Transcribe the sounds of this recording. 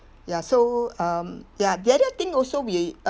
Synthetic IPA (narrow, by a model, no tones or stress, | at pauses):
jasoʌmjad̪ɛɾət̪ĩŋɔlsowi